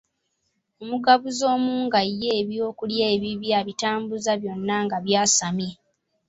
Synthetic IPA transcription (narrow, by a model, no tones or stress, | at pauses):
omuɡaβuzo̞ːmuːŋɡajːeːβjo̞ːkuljeːβiβjaβitaːmbuzaβjo̞nːaŋɡaβjaːsamje